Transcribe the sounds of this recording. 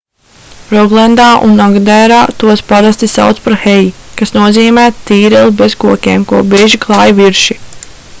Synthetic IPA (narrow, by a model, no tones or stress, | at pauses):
ɾɔɡlˠɛnd̪aːʔṵnːɔɡd̪ɛjɾaːt̪uɔspaɾast̪isa̰wt̪spaɾxejikasnuɔziːmæːt̪iːɾɛlˠbezkuɔkʲeːmkuɔbiːʒiklˠɑjviɾʃi